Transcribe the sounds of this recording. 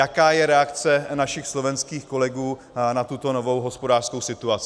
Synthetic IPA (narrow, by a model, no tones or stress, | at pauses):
jakaːjɛɾɛakt͡sɛnaʃɪxslo̞vɛnskiːxko̞lɛɡuː | nat̪ut̪o̞no̞vo̞wɦo̞spodaːr̥sko̞wsɪt̪uat͡sɪ